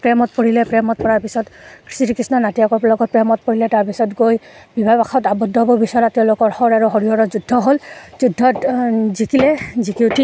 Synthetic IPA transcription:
pɹɛmɔtpoɹilɛpɹɛmɔt̚pɔɹaɹpisɔtkɹi̥sitikɹisnɔnatijakɔɹpɔlɔɡɔt̚pɹɛmɔt̚poɹilɛtaɹpisɔtɡojbibʱajbaxʰɔtabɔdːɔɦbɔbisɔɔɹatɛʊ̃lʊkɔɹhɔɹaɹuɦoɹiɔɹɔzudʱːɔɦolzudʱːɔtzikilɛzikiutʰi

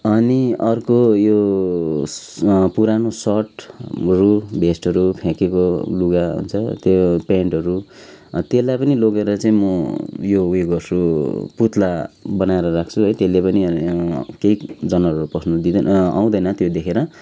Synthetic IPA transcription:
ʌniʌrkojo | puɾanosʌʈɾubʱesʈʌɾupʰekekoluɡaɦṵnt͡sʰʌt̪jopeɳʈʌɾut̪elajpʌniloɡeɾʌt͡saĩmʌjoueɡʌrsuput̪ʰlabʌnaeɾʌrak̚ʰt͡sʰuɦʌjt̪elepʌni | keid͡zʌnʌʌɾupʌsʰnud̪id̪na̰w̃d̪ʌjnʌt̪jod̪ekʰeɾʌ

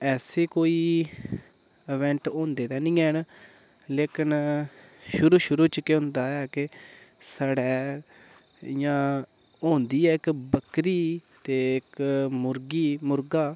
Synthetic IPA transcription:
ɛːseːkoːiː | ɪʋɛ̃ːɳʈõːnd̪eːt̪ɛ̃ːnɪ̃ːɛːn | leːkɪn | ʃʊɾuːʃʊɾuːt͡ʃəkeːɦʊ̃nd̪aːɛːkɪsaːɽɛː | jãː | õːnd̪iːɛːɪkbəkɾiː | t̪eːɪkmʊɾɡiːmʊɾɡaː

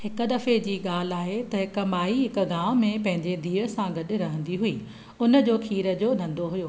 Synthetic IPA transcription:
hɪkə̆d̪ɐfed͡ʑiːɠaːl̤ɪaːɦet̪ɐɦɪkɐmaːiɦɪkə̆ɡãːmẽpɐ̃ɦɪ̃ɲd͡ʑed̪ʱiːɾəsãɡɐɗʊ̆ɾɐɦə̃nd̪iɦʊiː | ʊnə̆d͡ʑoːkʰiːɾəd͡ʑoːnɐ̃nd̪oɦʊjoː

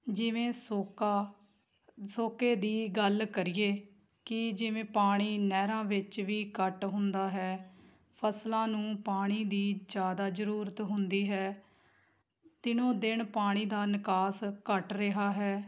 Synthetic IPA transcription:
d͡ʒɪʋẽːsoːkaː | soːkeːd̪iːɡəlkəɾijeː | kɪd͡ʒɪʋẽːpaːɽ̃iːnɛːɾãːʋɪt͡ʃʋiːkəʈɦʊnd̪aːɦɛː | pʰəslãːnũːpaːɽ̃iːd̪iːd͡ʒjaːd̪aːzəɾuːɾət̪ɦʊnd̪iːɦɛː | d̪ɪnõːd̪ɪɳpaːɽ̃iːd̪aːnɪkaːskəʈɾɪɦaːɦɛː

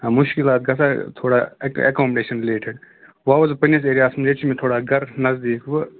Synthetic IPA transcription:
amʊʃkilaːt̪̚ɡɐsaːt̪ʰoːɽaːɐ̰kɔːmɖeːʃɐnɾɪleːʈʰɪɖ | ʋaːʋɐzpɐnɐs̬eːɾijaːsmɾeːt͡ʃʰimẽt̪ʰoːɽaːɡɐɾnɐzd̪iːkʰʋɨ

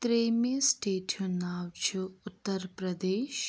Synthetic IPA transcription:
t̪ɾeːmesʈeːʈʰjonaːwt͡ʃʰuʊt̪ːɐɾpɾɐd̪eːʃ

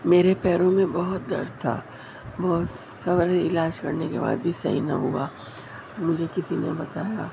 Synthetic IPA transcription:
meːɾepɛːɾõmẽbɐɦʊt̪̚d̪ɐ̰ɾt̪ʰa̰ | bɔɦt̪ | sɐbɾɪlaːd͡ʒkɐɾnekḛba̰ːd̪bʱisɐ̰ɦḭnɐ̰ɦua | mʊd͡ʒʱekɪsinḛbɐt̪aːja

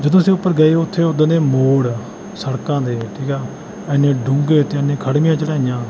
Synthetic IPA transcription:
d͡ʒəd̪õːseːʊpːəɾɡəeːoʊt̪ʰːeːʊd̪neːmoːɽ | səɽkãːd̪eːʈʰiːkɛː | ɛnẽːɖʊŋɡeːt̪eɛnẽːkʰəɽmijãːt͡ʃəɽaːijãː

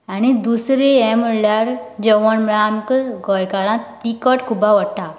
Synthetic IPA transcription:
anid̪usɾeɛməlaɾd͡ʑəʋənmɭamkɡɔjkaɾãt̪ikəʈkʰubʱaʋəʈa

